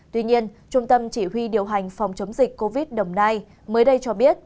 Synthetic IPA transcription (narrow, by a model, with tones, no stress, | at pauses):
t̪wi˧ɲi˧ənt͡ɕʊ˧ŋ͡mt̪ə˧mt͡ɕi˧˩ɦwi˧ɗi˨˩əwɦa˨˩jŋ̟fa˨˩wŋ͡mt͡ɕə˨˦ŋ͡mzï˨˩k̟̚kːo˧vi˦˥t̚ɗə˨˩wŋ͡mnaː˧j | məː˨˦jɗə˧jt͡ɕɔ˧ɓi˦˥ət̚